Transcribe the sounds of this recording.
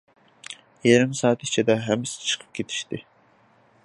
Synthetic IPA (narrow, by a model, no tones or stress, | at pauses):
jeɾɪmsɑːt̪i̥t͡ʃʰid̪ɛɦæmːɪsɪ̥t͡ʃʰɨ̥qʰə̥p̚ɡʲet̪ʰi̥ʃt̪ɪ